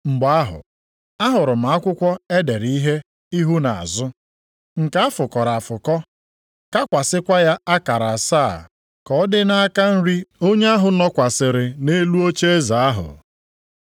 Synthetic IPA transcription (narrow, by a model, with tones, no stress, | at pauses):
ŋ͡m̩˨ɡ͡ba˨a˦ɦʊ̰˨ | a˦ɦʊ˨ɾʊ˨m̩a˨a˦kʷʊ˦kʷɔ˦e˦de˨ɾi˦ɦe˦ | i˦ɦu˦na˨a̰˨zʊ˦ | ŋ̩˨ka˦a˦fʊ˨kɔ˨ɾa˨a˨fʊ˨kɔ˦ | ka˦kʷa˨sɪ˦kʷa˦ja˦a˦ka˨ɾa˨saː˦˨ | kɔ˨˦dɪ˦na˦a˦ka˦n̩˦ɾi˦o˦ɲe˦a˦ɦʊ˨nɔ˦kʷa˨sɪ˨ɾɪ˨ne˦lu˦o˦t͡ʃe˦e˦za˨a˦ɦʊ̰˨